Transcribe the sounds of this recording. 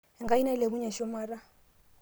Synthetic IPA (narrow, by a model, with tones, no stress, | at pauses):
ɛ˨ŋɡa˦i˦na˦i˦le˨bʊ˦ɲa˨ʃɔ˦maː˨ra˦